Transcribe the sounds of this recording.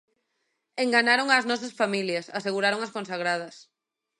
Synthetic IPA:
eŋɡanaɾoŋaːznɔsɐsfamiljɐsaseɣuɾaɾoŋɐskõnsaɣ̞ɾað̞ɐs

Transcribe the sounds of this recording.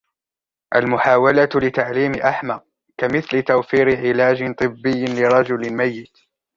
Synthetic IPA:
ʔalmʊħaːwalatlɪt̪aʕliːmɪʔaħmaq̚ | kamɪθlɪt̪awfiːɾɪʕɪlaːd͡ʒɪt̪ˤɨbːɪjːɪlɪɾˤɑd͡ʒʊlmajːɪt̪

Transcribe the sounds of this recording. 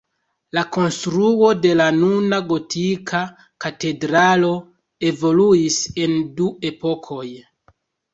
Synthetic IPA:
lako̞nstɾuo̞de̞lanunaɡo̞tʰikʰa | kate̞dɾalo̞ | e̞vo̞luise̞ndue̞po̞kʰo̞j

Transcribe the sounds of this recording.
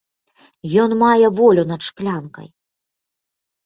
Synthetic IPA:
jɔnmajɛvɔlʲunɐt̪ʂklʲankɐ̰j

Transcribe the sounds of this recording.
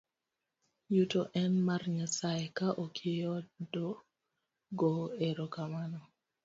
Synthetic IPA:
jutoʔɛnmarɲasajekaʔokʰjɔdɔ | ɡoeɾokamanɔ

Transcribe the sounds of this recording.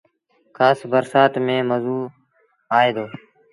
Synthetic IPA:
kʰaːsbəɾsaːt̪mẽːməzuː | aːeːd̪oː

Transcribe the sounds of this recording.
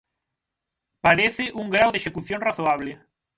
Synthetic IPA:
paɾeθɪʔuŋɡɾawðeʃekuθjõŋraθoaβ̞lɪ

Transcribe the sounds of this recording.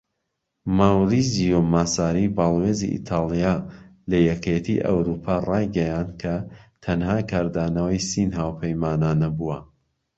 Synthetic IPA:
mawɾizijomasaːɾibaːlˠweːzḭʔḭt̪ʰaːlˠijalɐjɛkʰet̪ʰḭʔɐ̰wɾuːpʰarɑjɡɐjand̪̚kʰɐt̪ʰɐnhaːkʰaːɾd̪aːnɐwɐjsinɦaːwpʰɐjmaːnaːnɐbuwɐ

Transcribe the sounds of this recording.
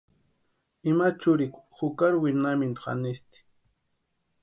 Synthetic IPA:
ɪmat͡ʃʊɾɪkhʊkaɾwɪnamɪnt̪qa̰nɪst̪ɪ̥

